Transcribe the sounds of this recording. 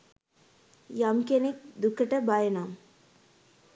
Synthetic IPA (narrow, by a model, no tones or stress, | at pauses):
jamkenek̚d̪ukːɐʈɐbajɐnaːm